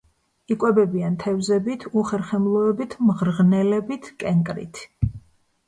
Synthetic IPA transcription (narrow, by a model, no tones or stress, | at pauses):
ikʼwɛbɛbiant̪ʰɛvzɛbit̪ʰuχɛɾχɛmlˠɔɛbit̪ʰmʁɾʁnɛlɛbit̪ʰkʼɛŋkʼɾḭt̪ʰ